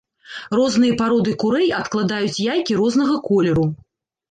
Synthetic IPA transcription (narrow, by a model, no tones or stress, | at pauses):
rɔznɨjɐpaɾɔd̪ɨkuɾɛjɐt̪klˠad̪ajut͡sʲjajkʲiɾɔzn̪ɐɣɐkɔlʲɛɾu